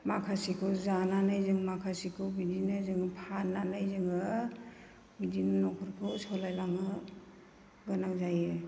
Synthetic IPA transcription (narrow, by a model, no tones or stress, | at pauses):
makʰasikʰɯzananajzɯŋmakʰasikʰɯbidinajzɯŋɯpʰanːanajzɯŋɯ | bidinɯnɔkʰuɾpʰɯsɔlajlaŋɯ | ɡɯnak̚zajɯ